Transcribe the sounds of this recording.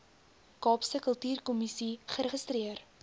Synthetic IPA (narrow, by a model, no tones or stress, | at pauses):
kɑːpsəkəlˠtyːrkɔmisiχəɾəχəstriər